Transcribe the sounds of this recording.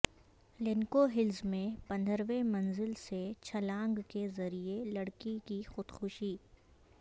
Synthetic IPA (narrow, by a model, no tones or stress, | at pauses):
lɪnkoɦɪlzmẽpɐ̃nd̪ʱəɾʋemɐ̃nzɪlset͡ʃʰɐlãːŋɡkezɐɾielɐɽkikixʊd̪xʊʃiː